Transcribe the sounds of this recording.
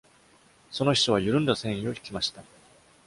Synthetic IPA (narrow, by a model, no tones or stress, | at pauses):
so̞no̞çi̥toβ̞ajɯɾɯ̟̃nd̪asẽ̞ɰ̃ĩo̞çi̥kʲimaɕi̥t̪a